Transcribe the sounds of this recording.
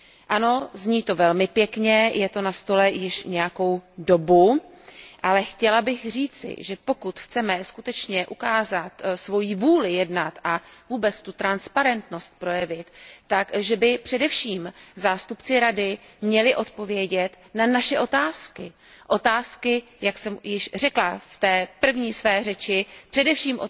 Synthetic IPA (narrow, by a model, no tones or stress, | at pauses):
ʔano̞zɲiːt̪o̞vɛlmɪpjɛkɲɛjɛt̪o̞nast̪o̞lɛjɪʃɲɛjako̞wdo̞bu | ʔalɛxcɛlabɪxr̝iːt͡sɪ̰ʒɛpo̞kut̪xt͡sɛmɛskut̪ɛt͡ʃɲɛʔukaːzat̪svo̞jivuːlɪjɛdnat̪ʔavuːbɛt͡st̪ut̪ɾanspaɾɛnt̪no̞st̪̚pɾo̞jɛvɪt̪ːakʒɛbɪpr̝̥ɛdɛfʃiːmzaːst̪upt͡sɪɾadɪmɲɛlɪʔo̞t̪po̞vjɛɟɛt̪ | nanaʃɛʔo̞t̪aːskɪ | ʔo̞t̪aːskɪ | jaksɛmjɪʃr̝ɛklaft̪ɛːpr̩vɲiːsvɛːrɛt͡ʃɪpr̥ɛdɛfʃiːmʔo